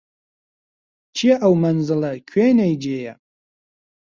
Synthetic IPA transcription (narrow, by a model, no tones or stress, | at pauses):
t͡ʃʰiaʔawmanzɨlakʲʰejnajd͡ʒeːja̰